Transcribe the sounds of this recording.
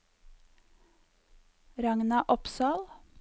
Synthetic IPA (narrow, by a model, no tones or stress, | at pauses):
ɾɑŋnɑʔɔpsɑːl